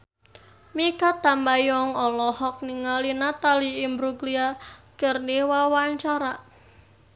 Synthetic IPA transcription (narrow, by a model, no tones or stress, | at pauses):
mikat̪ambajɔŋɔlɔhɔk̚niŋalinat̪aliːmbɾuɡliakərniwawaɲt͡ʃaɾa